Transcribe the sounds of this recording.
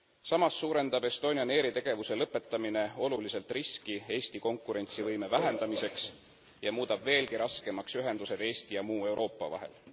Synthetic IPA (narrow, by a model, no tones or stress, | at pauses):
sɑmɑsːuːɾe̞nd̪̥ɑb̥e̞st̪o̞ːnʲiɑne̞ːɾit̪e̞ɡ̥e̞vuse̞lɤpːˑe̞t̪ːˑɑmine̞o̞lulise̞lt̪ˑriskie̞ːst̪iko̞ŋkːˑuɾe̞nʲt̪sivɤjme̞væɦe̞nd̪̥ɑmise̞ks | jɑmuːd̪̥ɑb̥ve̞ːlɡiɾʔɑske̞mɑksyɦe̞nd̪̥use̞d̪̥e̞ːst̪ijɑmuːe̞wɾʔo̞ːpːˑɑ̰vɑ̰ɦe̞̰l